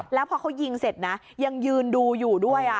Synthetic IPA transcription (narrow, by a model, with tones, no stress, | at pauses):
lɛː˦˥wpʰɔː˧kʰa˦˥wji˧ŋse˨˩t̪̚na˦˥ | ja˧ŋjɯː˧nduː˧juː˨˩du˥˩əjʔa˨˩